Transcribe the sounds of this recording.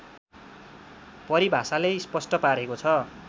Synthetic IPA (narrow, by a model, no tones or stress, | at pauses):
pʌɾibʱasalejspʌsʈʌpaɾekot͡sʰʌ